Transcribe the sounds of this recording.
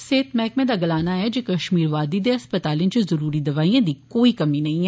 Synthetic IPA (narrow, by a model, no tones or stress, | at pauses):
seːt̪mɛːkmẽd̪aɡɐlaːnaɛd͡ʒeːkɐʃmiːɾʋaːd̪id̪eɐspət̪aːlẽt͡ʃezɐɾuːɾid̪ɐʋaːijãd̪ikoːikɐminɐɦĩɛ